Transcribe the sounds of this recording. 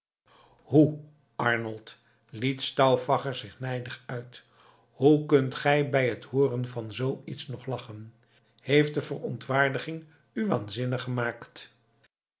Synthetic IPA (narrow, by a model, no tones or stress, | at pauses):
hu | ʔɑɹnəlˠt | litstɑwfɑχəɹzɪχnɛjdəχœɥt | hukɵntχɛjbɛjɦəthʊːrənvɑnzowitsnɔχlɑχən | hejft̚dəvərɔntʋaːɹdəχɪŋ | yʋa̰ːnzɪnəχəmaːkt